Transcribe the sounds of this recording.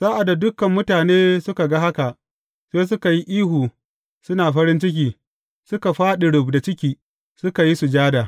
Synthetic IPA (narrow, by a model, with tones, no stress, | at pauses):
saː˦ʔa˨dːa˨dʊ˦kɐ˨mːʊ˦taː˨neː˦sʊ˦ka˨ɡa˦ɦa˦ka˨ʔ | seː˦s̬ʊ˦ka˨ji˦ʔiː˦ɦuː˨ | sʊ˦naː˨ɸɐ˦ɾɪ˦nt͡ʃɪ˦k̬ʲiː˨ | sʊ˦ka˨ɸaː˦ɗɪ˨ɽʊ˨bda˨t͡ʃɪ˦kʲiː˨ | sʊ˦ka˨ji˦su˨d͡ʒaː˦daː˨